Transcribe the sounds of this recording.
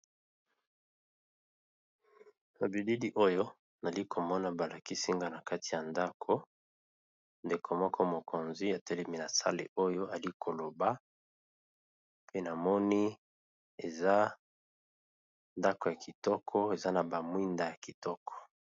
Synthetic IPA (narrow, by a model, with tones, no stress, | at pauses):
na˨bi˨di˦di˦ʔo˦jo˦ | na˨li˦kʰo˨mɔ˦na˨ba˨la˨ki˦si˦ŋɡa˦na˨ka˦ti˨ja˨nda˦kʰo˦ | nde˨kʰo˨mɔ˦kʰɔ˦mo˨ko˨nzi˦a˨tɛ˦lɛ˦mi˦na˨sa̰˦lḛ˨ʔo˦jo˦a˨li˦kʰo˨lo˨ba˦ | pe˦na˨mɔ˦ni˦ | e˨za˦ | nda˦ko˨ja˨ki˨tɔ˦kʰɔ˦e˨za˦na˨ba˨mwi˦nda˨ja˨ki˨tɔ˦kʰɔ̥˨